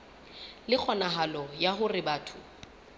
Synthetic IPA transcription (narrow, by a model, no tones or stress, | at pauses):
lɪk͡xʰɔnaɦalɔjaɦʊrɪbaːtʰʊ